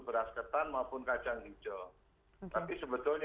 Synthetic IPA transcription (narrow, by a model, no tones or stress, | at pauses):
bəɾaskət̪anmaupʊnkat͡ʃaŋdid͡ʒə | t̪apisəbət̪ʊlɲ